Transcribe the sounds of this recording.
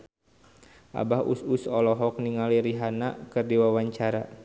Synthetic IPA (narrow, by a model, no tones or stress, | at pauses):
ʔa̰bahususɔlɔɦɔk̚niŋaliɾiɦanakərdiwawaɲt͡ʃaɾa